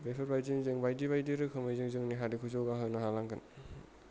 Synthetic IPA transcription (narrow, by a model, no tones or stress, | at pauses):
bepʰɐɾbajziŋziŋbajdiβajdiɾɯkʰɯmɯjzɯŋzɯŋniɦaɾikʰuzowɡaɦɯnaɦalaŋkʰɯn